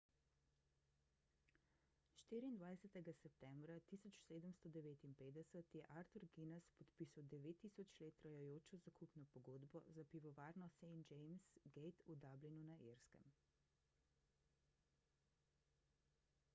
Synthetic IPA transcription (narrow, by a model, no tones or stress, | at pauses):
ʃt̪iːɾiːnd̪ʋajsɛt̪ɛɡasɛp̚t̪ɛmbɾat̪isɔt͡ʃseːd̪əmst̪ɔd̪ɛʋeːt̪inpeːd̪ɛsət̪jɛʔaɾt̪uɾɡinɛspɔt̪piːsawd̪ɛʋeːt̪ːiːsɔt͡ʃleːt̪ːɾɐjɔjoːt͡ʃɔzakupnɔpɔɡoːd̪bɔzapiʋɔʋaːɾnɔsɛjnd͡ʒɛjmsɡejt̪ud̪ablinunaʔiɾskɛ̰m